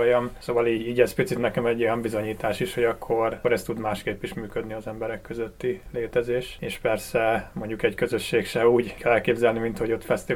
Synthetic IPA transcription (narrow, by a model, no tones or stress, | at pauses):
ojɒmsoːvɒliːɟiːɟɛspit̪sit̪nɛkɛmɛɟːo̞jɒmbizo̞ɲiːt̪aːʃiʃho̞ɟɒkʰːo̞roɾɛst̪ud̪maːʃkeːpːiʃmyːkød̪niɒzɛmbɛɾɛkːøzøt̪ːileːt̪ɛzeːʃeːʃpɛrsɛmo̞ɲɟukɛɟkøzøʃːeːkʃɛuːɟkʰɛlɛlkeːbzɛlnimint̪ho̞ɟo̞t̪fɛst̪i